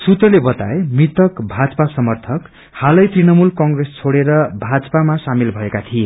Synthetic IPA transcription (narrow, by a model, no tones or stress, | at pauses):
sut̪rʌlebʌt̪a̰emit̪ʌkbʱad͡zʌpasʌmʌrt̪ʰʌk | halʌjt̪rinʌmulkʌŋɡrest͡sʰoɽeɾʌbʱad͡zʌpamasamilbʱʌekat̪ʰie